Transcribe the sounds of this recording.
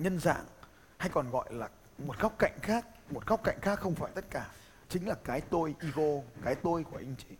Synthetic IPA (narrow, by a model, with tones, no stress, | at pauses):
ɲə˧nza̰ː˧˨ŋ | ha˧jkɔ˨˩nɣɔ̰˧˨jlaː˨˩ | mo˨˩t̚ɣɔ˦˥wk͡p̚ka̰˧˨jŋ̟xaː˦˥k̚mo˨˩t̚ɣɔ˦˥wk͡p̚ka̰˧˨jŋ̟xaː˦˥kxə˧wŋ͡mfaː˧˩jt̪ə˦˥t̚kaː˧˩ | t͡ɕï˨˦ŋ̟laː˨˩kaː˨˦jt̪o˧jʔi˧ɣo˧kaː˨˦jt̪o˧jku˧˩əʔi˧ŋ̟t͡ɕi˨˦